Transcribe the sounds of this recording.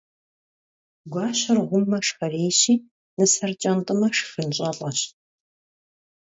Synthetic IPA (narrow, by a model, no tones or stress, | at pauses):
ɡʷɑːɕɐrʁʷʊmːɐʂxɐreːɕiː | nɨsɐrt͡ʃʼɐntʼɨmɐʂxɨnɕʼɐɬʼɐɕt